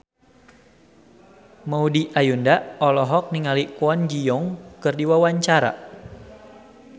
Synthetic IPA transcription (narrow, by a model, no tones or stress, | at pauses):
maudiʔajundaɔlɔɦɔk̚niŋalikuand͡ʒijɔŋkɨrdiwawaɲt͡ʃaɾa̰